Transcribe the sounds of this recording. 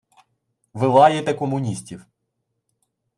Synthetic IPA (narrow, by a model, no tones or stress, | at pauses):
ʋɪlˠɑjet̪ɛkɔmʊnʲisʲtʲiw